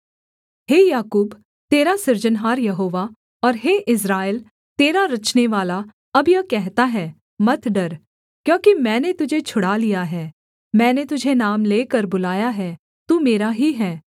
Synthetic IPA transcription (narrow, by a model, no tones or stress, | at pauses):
ɦeːjaːkuːb | t̪eːɾasɪɾd͡ʒənɦaːɾjɐɦoːʋa | ɔːɾɦeːʔɪs̬ɾaːɪl | t̪eːɾaɾɐt͡ʃneʋaːla | ɐbjɐkɛɦt̪aɦɛː | mɐt̪ʰɖɐɾ | kjõːkimɛ̃ːnet̪ʊd͡ʒʱet͡ʃʰʊɽalijaɦɛː | mɛ̃ːnet̪ʊd͡ʒʱenaːmleːkəɾbʊlaːjaɦɛː | t̪uːmeːɾaɦiɦɛː